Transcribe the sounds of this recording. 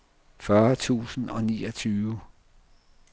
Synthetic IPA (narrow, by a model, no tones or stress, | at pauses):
fɶɐt͡sʰṵːsn̩ɒ̽nḭːɒt͡sʰyːʋə